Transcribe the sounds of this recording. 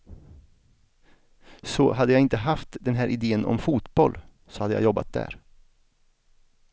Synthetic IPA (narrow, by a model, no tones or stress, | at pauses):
sɔɦad̪ːəjaɪnt̪əɦaft̪d̪ɛnɦæːɾʔɪd̪eːənɔ̰mfuːt̪bɔl | sɔ̥had̪ːəja̰jɔbːa̰t̪̚d̪æ̰ːɾ